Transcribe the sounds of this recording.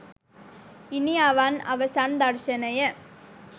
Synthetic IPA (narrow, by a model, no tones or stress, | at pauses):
ɪniaːʋaːnɐ̰ʋɐsaːnd̪aːɾʃɐnɐjɐ